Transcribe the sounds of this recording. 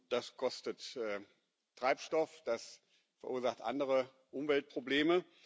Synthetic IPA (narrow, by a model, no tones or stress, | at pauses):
d̥askʰɔstətɛː | tʁ̥aɪpʃtɔfd̥as | fɛɐʔuːɐzaχtʔa̰ndəʁə | ʔʊmvɛlt̚pʁ̥obleːmə